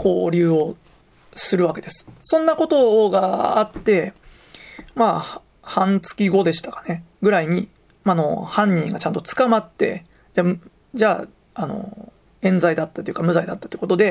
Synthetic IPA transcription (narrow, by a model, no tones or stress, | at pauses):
ko̞ːɾʲɨːo | sɨɾɯ̟βake̞d̪e̞sɨ̥sõ̞nːako̞t̪o̞ɡaːt̪ːe̞ | ma | hãnt͡sɨ̥kʲiɡo̞d̪e̞ɕi̥t̪ḁkḁne̞ɡɯ̟ɾaiɲ̟i | mano̞̰hãɲ̟ːĩŋɡat͡ɕãnt̪o̞t͡sɨ̥kamat̪ːe̞̰ | d͡ʑa | d͡ʑaː | ano̞̰ | ẽ̞nd͡zaid̪at̪ːat̪oiɯ̟kamɯ̟zaid̪at̪ːḁt̪oɯ̥ko̞t̪od̪e̞